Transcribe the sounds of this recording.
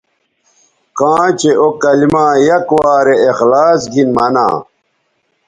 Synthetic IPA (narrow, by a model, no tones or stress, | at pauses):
kãːt͡ɕeʔokɐlimãːjɐkwaːɾeexlaːsɡinmɐnã̰ː